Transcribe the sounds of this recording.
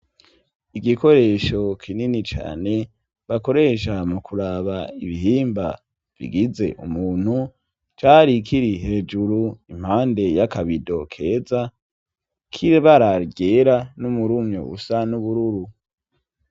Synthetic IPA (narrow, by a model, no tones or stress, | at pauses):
iɡiko̞ɾe̞ːʃo̞kʰininit͡ʃa̰ːne̞ | βako̞ɾe̞ʃamukʰuɾaβaiβiɦiːmba̰ | vḭɡize̞̰ʔṵmuːn̥hu | t͡ʃaːɾikʰiɾiɦe̞ːd͡ʒuɾuim̥haːnde̞jakaβido̞̰kʰe̞ːza | kʰiɾeβaɾaɡeɾanumuɾumɲo̰ṵsanuβuɾuɾu